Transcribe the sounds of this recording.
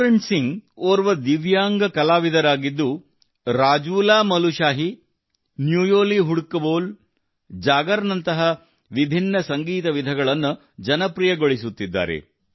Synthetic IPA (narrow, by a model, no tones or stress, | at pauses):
ɾeɳsiŋɡoːɾʋɐd̪iʋjaːŋɡɐkɐlaːʋid̪ʱɐɾaːɡid̪ːu | ɾaːd͡ʒuːlaːmɐluʃaːɦi | njuːjoːliɦuɽkːɐboːl | d͡ʒaːɡɐɾɐnɐnt̪ɐɦɐ | ʋibʱinːɐsɐŋɡiːt̪ɐʋid̪ʱɐɡɐɭɐnːu | d͡ʒɐnɐpɾijɐɡoɭisut̪ːid̪ːa̰ːɾḛ